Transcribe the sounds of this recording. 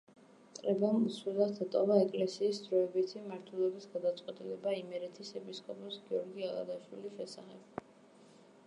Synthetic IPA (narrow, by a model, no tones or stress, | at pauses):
t̪ʼɾɛbamuswilˠat̪at̪ʼɔvaɛkʼlɛsiːsd̪ɾɔɛbit̪ʰimaɾt̪ʰwɛlˠɛbisɡad̪at̪sʼqʼwɛt̪ʼilɛbaimɛɾɛt̪ʰisɛpʰiskʼɔpʼɔsɡiɔɾɡialˠa̰d̪aʃwiliʃɛsaχɛb̥̚